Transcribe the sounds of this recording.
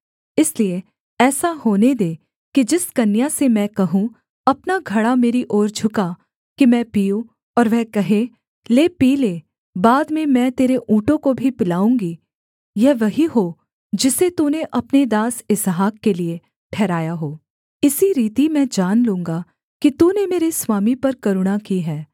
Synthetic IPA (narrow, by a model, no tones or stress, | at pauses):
ɪslie | ɛːsahoːned̪eː | kid͡ʒɪskɐnjasemɛ̃kɐɦũ | ɐpnaɡʱɐɽameːɾiʔɔːɾd͡ʒʱʊka | kimɛ̃ːpijũ | ɔːɾʋɛɦkɐɦẽ | leːpiːleː | baːd̪mẽmɛ̃t̪eːɾeʔũːʈõkobʱipɪlaːũːŋɡi | jɛʋɐɦiɦo | d͡ʒɪset̪uːneʔɐpned̪aːsɪsɦaːkkelie | ʈʰɛːɾaːjaɦoː | ɪsiɾiːt̪imɛ̃ːd͡ʒaːnlũːŋɡa | kit̪uːnemeːɾeswaːmipɐɾkɐɾʊɽ̃akiɦɛː